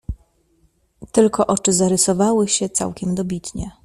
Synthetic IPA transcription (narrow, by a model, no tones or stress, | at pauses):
t̪ɘlkɔʔɔt͡ʂɘzaɾɘsɔvawɘɕɛt̪sa̰wkʲɛmd̪ɔbʲit̪ɲɛ